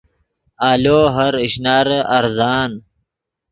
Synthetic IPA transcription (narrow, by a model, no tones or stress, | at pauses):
aːloːɦɐɾiɕnaɾɐɾzaːn